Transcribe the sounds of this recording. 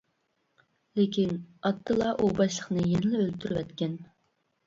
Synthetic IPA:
lekʲinɑt̪ʰːɨlˠɑʔubɑʃlˠəχnɨjɛnlɛølt̪ʰyɾywɛt̪kʲɛn

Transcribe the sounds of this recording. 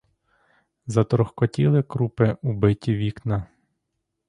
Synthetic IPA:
zɐt̪ɾɔxkɔtʲilˠɪkɾupɪubɪtʲiʋʲiknɐ

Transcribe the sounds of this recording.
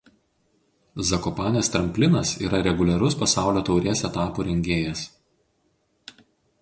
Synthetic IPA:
zɐkɔpɑːnʲeːst̪ʲɾɐmʲpʲlʲɪnɐsiːɾɐɾʲɛɡʊlʲɛɾʊspɐsɑˑʊlʲoːt̪ɒʊɾʲeːsɛt̪ɑːpuːɾʲɛŋʲɡʲeːjɛs

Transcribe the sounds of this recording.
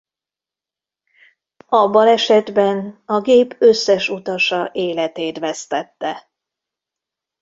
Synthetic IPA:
ɒbːɒlɛʃɛd̪bɛnɒɡeːpʰøsːɛʃut̪ɒʃɒʔeːlɛt̪eːt̪ʋɛst̪ɛt̪ːɛ

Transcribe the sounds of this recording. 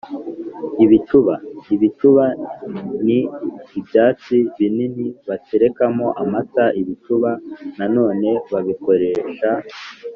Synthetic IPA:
iβit͡ʃuβaiβit͡ʃuβa | niːbjaːt͡siβininiβateɾe̞kamo̞ʔamataʔiβit͡ʃuβanano̞ːne̞βaβiko̞ɾe̞ːʃa

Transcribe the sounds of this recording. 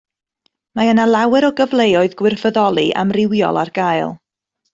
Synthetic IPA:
maənalˠawɛɾɔɡəvlˠejɔɨðɡwɪrfəðɔlˠiʔa̰mrɪwjɔ̰lˠa̰rɡajlˠ

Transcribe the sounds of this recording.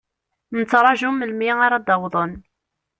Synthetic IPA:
nət͡sːɾˤɑʒuməlmiaɾad̪ɑwðˤən

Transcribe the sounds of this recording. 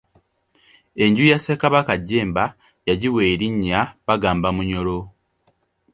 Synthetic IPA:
e̞ɲɟujasekaβakaɟːe̞ːmba | jaɟiweːɾiɲːaβaɡaːmbamuɲo̞lo

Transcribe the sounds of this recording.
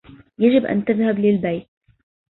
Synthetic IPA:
jad͡ʒɪbʔa̰nt̪aðhablɪlbajt̪̚

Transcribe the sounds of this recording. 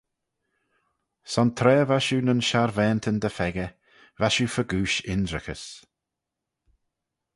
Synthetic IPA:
sɔnt̪ʰɾɛːvaʃuːnənʃaɾvɛːnt̪ʰənd̪əfɛɡə | vaʃufəɡuːʃɪndɾɪxəs

